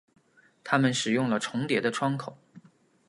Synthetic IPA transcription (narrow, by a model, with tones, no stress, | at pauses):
t̪ʰa˥mə˨nʂɻ̩˨˩jʊ˥˩ŋlə˩ʈ͡ʂʰʊ˧˥ŋt̪jɛ˧˥d̪ə˧ʈ͡ʂʰwɑ˥ŋkʰo˨˩˦